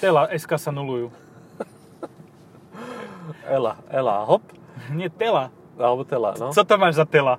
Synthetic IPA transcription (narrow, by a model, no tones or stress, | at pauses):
t̪ɛlaʔɛskasanuluju | ɛla̰ɛla̰ɦɔp | ɲɛt̪ɛla | albɔt̪ɛla̰nɔt͡sɔt̪amaːʒzat̪ɛla